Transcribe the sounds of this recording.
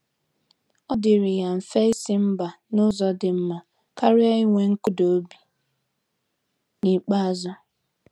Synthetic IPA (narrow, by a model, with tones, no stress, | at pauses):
ɔ˦dɪ˨ɾɪ˨ja˨ɱ̩˨fe˦i˦sɪ˦m̩˦ba˨ | nʊ˦zɔ˨dɪ˨m̩˦ma˨ | ka˦ɾɪ˦a˦i˦ŋʷe˨ŋ̩˦kʊ˦do˨o˦bi˨ | ni˨k͡pa˦a˦zɔ˦